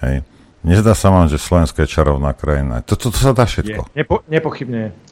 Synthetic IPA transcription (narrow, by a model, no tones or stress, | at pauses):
hɛ̰j | ɲɛzd̪aːsaʋaːmʒɛslɔʋɛnskɔjɛt͡ʃaɾɔʊnaːkɾaina̰t̪ɔt̪ɔt̪ɔ̥sad̪aːfʃɛt̪kɔ̰ɛɲɛpɔxibɲɛɛ